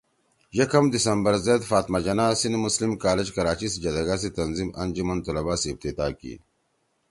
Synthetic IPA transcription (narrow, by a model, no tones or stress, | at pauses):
jɐkɐmd̪isɐmbɐɾzeːd̪faːt̪mɐd͡ʑɐnaːsinmuslimkaːled͡ʑkɐɾaːt͡ɕisd͡ʑɐd̪ɐɡasit̪ɐnzimɐ̰nd͡ʑumɐnt̪ulɐbaːsːf̚t̪it̪aːkḭ